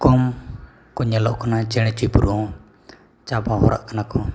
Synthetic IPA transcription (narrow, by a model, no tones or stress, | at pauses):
kɔm | kɔɲɛlɔʔkʰɔnat͡ʃɛɽ̃ɛt͡ʃujpuɾuɔ̃ | t͡ʃabaɦɔɾa̰ʔkanakɔ